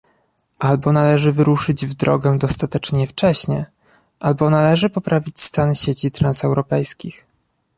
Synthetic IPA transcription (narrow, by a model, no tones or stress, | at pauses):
ʔalbɔnalɛʐɘvɘɾuʂɘd͡ʑvd̪ɾɔ̰ɡɛd̪ɔst̪at̪ɛt͡ʂɲɛft͡ʂɛɕɲɛ | ʔalbɔnalɛʐɘpɔpɾʔavʲit͡ɕst̪anɕet͡ɕit̪ɾansɛwɾɔpɛjskʲix